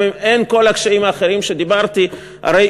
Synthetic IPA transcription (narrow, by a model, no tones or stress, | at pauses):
ime̞nko̞lakʃaimaːχeʁimʃe̞d̪ibaʁt̪i | ha̰ɾej